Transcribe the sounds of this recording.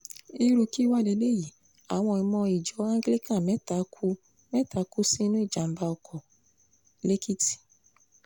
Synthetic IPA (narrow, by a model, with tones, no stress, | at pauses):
i˦ɾu˧ki˦wa˦˨de˧˦le˦˨ji˨ | a˨w̃ɔ̃˧ĩ˧mɔ̃˧i˨d͡ʒɔ˨˦ã˦ɡe˦li˦kã˦˨mɛ˨˦ta˨kʰu˦ | mɛ̃˦tʰa˨˦ku˦sĩ˦nũ˦i˦˨d͡ʒa˨m̩˦ba˧ɔ˧kʰɔ˨ | le˦kʰi˦ti̥˨